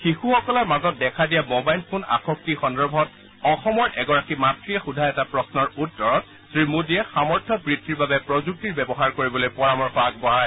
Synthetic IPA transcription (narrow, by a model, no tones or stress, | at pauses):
xixuxɔkɔlɔɹmazɔt̚dɛkʰadijamobajlpʰona̰xɔk̚tixɔndɔbʱɔt̚ | ɔxɔmɔɹʔɛɡɔɹakimatɹiɛxudʱaɛtapɹɔsnɔɹutːɔɹɔt̚ | sɹimudiɛxamɔɹtʰɔbɹitʰːiɹbabɛpɹɔzuk̚tiɹbɛbɔɦaɹkoɹibɔlojpɔɹamɔɹxɔaɡ̚bɔɦaɹaj